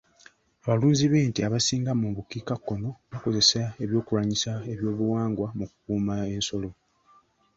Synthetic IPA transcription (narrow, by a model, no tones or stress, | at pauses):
aβaluːɲziβe̞ːntiaβasiːŋɡamuβukiːkakːo̞no̞βako̞ze̞sae̞βjo̞ːkuɾaɲisae̞βjo̞ːβuwaːŋɡwamukukuːmae̞nso̞lo̞